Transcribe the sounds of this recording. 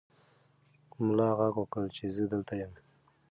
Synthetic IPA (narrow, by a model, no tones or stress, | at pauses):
mʊlɑɣaɡwəkəlt͡ʃezəd̪əlt̪ajəm